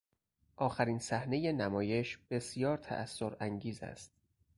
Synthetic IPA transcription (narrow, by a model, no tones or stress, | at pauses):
ʔɒːxæɾinsæhne̞je̞næmɒːje̞ʃb̥e̞sijɒːɾt̪ʰæ̰ʔæsːoɾæŋɟiːzæ̰st̪̚